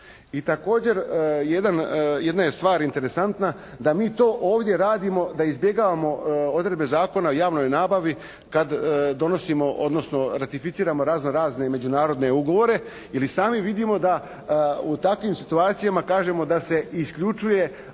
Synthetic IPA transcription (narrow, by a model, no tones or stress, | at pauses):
it̪ako̞ːd͡ʑe̞ɾjed̪anjed̪najest̪ʋaːɾint̪e̞ɾesant̪nad̪amiːt̪o̞ːʔoːʋd̪je̞ɾaːd̪imo̞d̪aizbje̞ɡaːʋamo̞od̪ɾed̪be̞zaːko̞naujaːʋno̞jnaːbaʋi | kad̪ːo̞no̞simo̞ʔo̞̰d̪no̞sno̞ɾat̪ifit̪siːɾamo̞ɾaːznoɾaːzne̞me̞d͡ʑunaːɾo̞d̪ne̞uɡo̞ʋo̞ɾe̞ | ilisaːmiʋid̪imo̞d̪a | ut̪akʋimsit̪uaːt̪sijamakaːʒe̞mo̞d̪ase̞iskʎut͡ʃuje̞